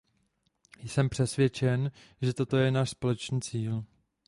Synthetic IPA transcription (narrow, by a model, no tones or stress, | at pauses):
jsɛmpr̝̥ɛsvjɛt͡ʃɛn | ʒɛt̪o̞t̪o̞jɛnaːʃspo̞lɛt͡ʃniːt͡siːl